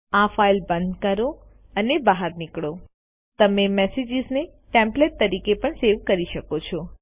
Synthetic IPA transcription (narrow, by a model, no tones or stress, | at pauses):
afailbənd̪kəɾo | ənebaɦaɾnikɭo | t̪əmemɛsed͡ʒizne | ʈẽmpleʈ̚t̪əɾikepəɳseʋkəɾiʃəkot͡ʃʰɔ